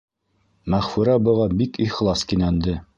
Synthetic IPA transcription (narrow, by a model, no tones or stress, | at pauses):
mæχfʉɾɑbɤ̆ʁɑbikiχlˠɑskinænd̪ɘ